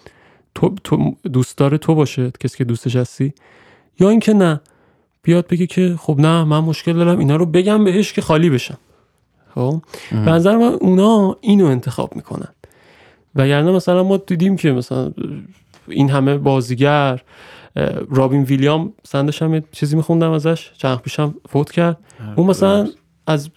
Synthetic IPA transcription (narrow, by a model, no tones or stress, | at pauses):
t̪ʰot̪ʰod̪uːst̪ɒːɾet̪ʰobɒːʃecʰesi̥ːcʰe̞d̪uːst̪eʃæst̪iː | jɒːiːncʰe̞næ | b̥ijɒːd̪̚beɡecʰe̞χobnæmænmo̞ʃce̞ld̪ɒːɾæmiːnɒːɾobe̞ɟæmbe̞ɦeʃcʰe̞xɒːliːbe̞ʃæn | xobenæzæɾemænunɒːiːnoe̞nt̪ʰe̞xɒ̰ːb̥mḭkʰo̰næ̰nd̪̥ | væɟæɾnæmæsælænmɒːd̪iːd̪imcʰe̞mæsæ̰læ̰n | ḭːnɦæme̞bɒːziɟæɾ | ɾɒːbinvilijɒmæsænd̪ʃæmjet͡ʃʰiːzimixund̪æmæzæʃt͡ʃʰænχpʰiːʃæmfot̪ʰcʰæɾd̪̚unmæsælæn | æz